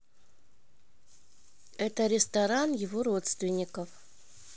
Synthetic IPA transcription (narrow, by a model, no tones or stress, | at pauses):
ɛt̪əɾʲɪst̪aɾanjɪvorot̪st̪vʲɪnʲːɪkəf